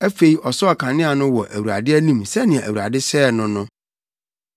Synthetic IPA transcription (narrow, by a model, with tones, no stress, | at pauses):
æ˦fe˨i˨˦ʔɔ˨sɔ˦a˨kʰã˨nɪ̃˦a˨nʊ̃˦wɔ˨ʔæ˨wu˨ɾa̰˨dɪ˦æ˦nĩ˦msɛ˦nɪ̃˨ɛ̃˨ʔæ˨wu˨a˨dɪ˦sɛː˦˨nʊ̃˦nʊ̃˦